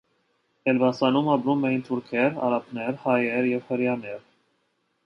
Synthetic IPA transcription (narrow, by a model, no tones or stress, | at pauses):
ɛlvɑsɑnumɑpɾumɛjint̪ʰuɾkʰɛɾɑ̰ɾɑpʰnɛɾhɑjɛɾjɛvhəɾjɑnɛɾ